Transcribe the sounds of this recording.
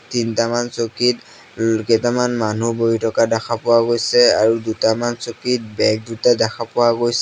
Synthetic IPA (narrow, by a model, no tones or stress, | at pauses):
tintamansokit | kɛtamanmanuboɹitɔkadɛxʰapɔwaɡojsɛaɹudutamansokit̚bɛk̚dutadɛxʰapɔwaɡojsɛ